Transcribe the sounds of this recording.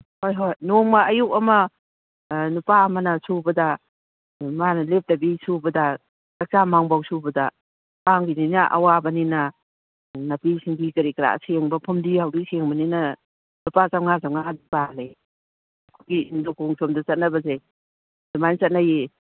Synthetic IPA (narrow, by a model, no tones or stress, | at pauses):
hojɦojnoŋmaɐjuk̚ɐmɐ | nupaɐmɐnɐsubɐdɐ | manɐlep̚dɐbisubɐdɐ | tɐk̚t͡ʃamaŋbawsubɐdɐ | paŋɡininaʔɐ̰wabɐninɐ | napisiŋɡikɐɾikɾa̰seŋbɐpʰumdihawdiseŋbɐninɐ | nupazawŋazawŋadibale | kʰuɡiindokoŋsʰomdɐt͡ʃɐt̚nɐbɐzej | d̥umant͡ʃɐt̚naje